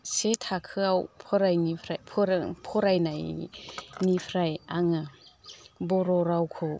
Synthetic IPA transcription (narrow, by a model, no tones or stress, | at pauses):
setʰakʰɯawpʰɔɾajnipʰɾajpʰɾpʰɔɾajnaj | nipʰɾajaŋɯ | bɔɾɔɾawkʰɔ